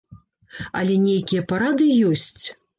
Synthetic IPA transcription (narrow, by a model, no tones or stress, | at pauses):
ɐ̰lʲɛnʲejkʲijɐpaɾad̪ɨjɔsʲt͡sʲ